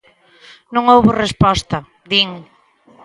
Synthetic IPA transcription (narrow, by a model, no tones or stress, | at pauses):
nõŋowβorespɔst̪ɐ | d̪iŋ